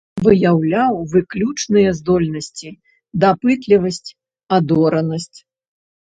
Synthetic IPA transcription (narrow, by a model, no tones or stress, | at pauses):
vɨjawlʲawvɨklʲut͡ʂnɨjɐzd̪ɔlʲnɐsʲt͡sʲi | d̪apɨt̪lʲivɐsʲt͡sʲ | ad̪ɔɾɐnɐsʲt͡sʲ